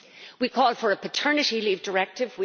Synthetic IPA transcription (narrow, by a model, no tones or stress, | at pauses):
wikʰɔːlˠfə˞əpʰətʰɜ˞nɨɾilivdə˞ɛk̚tɪvwi